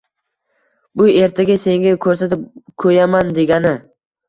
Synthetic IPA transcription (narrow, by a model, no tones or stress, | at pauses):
bʊe̞ɾt̪ʰaɡʲase̞ŋɡʲakʰɵɾsat̪ɪp̚kʰɵjamand̪e̞ɡʲanɪ